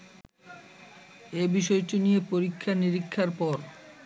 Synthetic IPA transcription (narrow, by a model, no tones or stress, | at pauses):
ebiʃɔeʈinijepoɾikʰːaniɾikʰːaɾpɔɾ